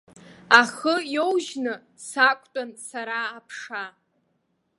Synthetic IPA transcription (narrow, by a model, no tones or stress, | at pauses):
aχəjowʒnɨ | sakʷʼʰtʼansaɾaːpʰʂa